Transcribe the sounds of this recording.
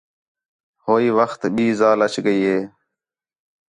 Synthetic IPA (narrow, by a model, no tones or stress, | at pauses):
hoːiːʋəxt̪ɓiːzaːlət͡ʃɡəiːɦeː